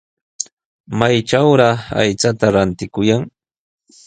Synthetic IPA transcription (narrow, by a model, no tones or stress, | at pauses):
majʈ͡ʂawɾɑa̰jt͡sat̪aɾant̪ɪkʊjaŋ